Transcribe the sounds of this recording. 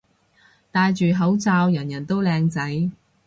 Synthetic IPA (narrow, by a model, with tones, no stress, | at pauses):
t̪aː˧jt͡ʃyː˨˩ɦɐ˨˥wt͡saː˧wjɐ˨˩njɐ˨˩nt̪o˥wlɛː˧ŋt͡sɐ˨˥j